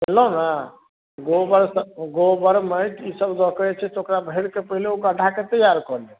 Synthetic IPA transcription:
ɦelɔna | ɡobəɾsəɡobəɾmət̪isəbd̪ɔkɾɛt͡ʃʰɛt̪okɾabʱeɽkepəɦileoɡəɖʱaket̪əjaɾkɔlɛ

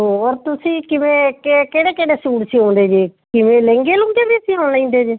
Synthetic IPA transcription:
ɦoɾt̪ʊsĩːkɪʋẽːkekeːɽeːkeːɽeːsuːɽsĩːɦõːnd̪eːd͡ʒeːkɪʋẽːlɛ̃ːŋɡeːlõːŋɡeːbiːsiːoɽlaĩːnd̪eːd͡ʒeː

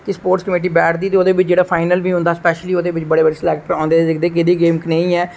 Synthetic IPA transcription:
kɪspoːɾʈskəmeːʈ̬iːbɛːʈʰd̪iːt̪eoːd̪eːʋɪt͡ʃd͡ʒeːɽaːpʰaːɪnəlbiːɦʊ̃nd̪aːspɛːʃliːoːd̪eːʋɪt͡ʃbəɽeːbəɽeːslɛːkʈəɾãːnd̪eːd͡ʒɪkd̪eːk̬ɪd̪iːɡeːmknẽĩːɛː

